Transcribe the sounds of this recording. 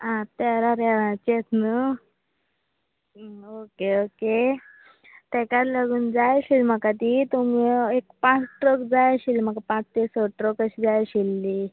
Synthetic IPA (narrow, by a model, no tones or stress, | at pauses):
ãt̪ɛɾaɾɛʋãt͡ɕet̪nə | okeoke | t̪ɛ̃kat̪ləɡuːnd͡zajɕilm̤əkat̪̬it̪umiekpãt͡sʈɾokd͡zajɕilm̤akapãt͡st̪esoʈɾokəɕid͡zajaɕilːi